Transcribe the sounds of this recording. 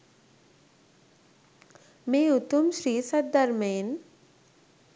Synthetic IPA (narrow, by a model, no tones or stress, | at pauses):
meːut̪umʃɾiːsəd̪d̪aɾmeːn